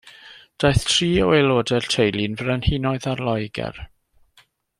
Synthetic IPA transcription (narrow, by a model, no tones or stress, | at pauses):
d̥ajθtʰriːɔwelˠoːdɛrtʰejlˠɪnvrənhɪnɔɨðarlˠɔjɡɛ̰r